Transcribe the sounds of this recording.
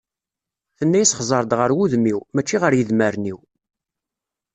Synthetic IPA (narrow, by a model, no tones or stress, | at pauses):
θənːæjisχzˤəɾˤd̪ʁəɾwuðmiwmæt͡ʃːiʁəɾjəðməɾniw